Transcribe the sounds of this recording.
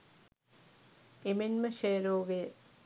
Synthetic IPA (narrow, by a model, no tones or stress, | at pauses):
emenmɐʃeːɾoːɡe